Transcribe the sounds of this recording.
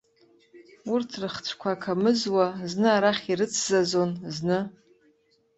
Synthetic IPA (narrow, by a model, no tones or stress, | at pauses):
urtʰrɨχt͡sʷʰkʷʰakʰamɨzwaznɨaɾaχʲirɨt͡sʰzazo̞nznɨ